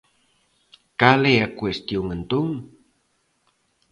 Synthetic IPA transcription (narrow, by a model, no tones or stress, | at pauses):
kaleakwest̪juŋənt̪uŋ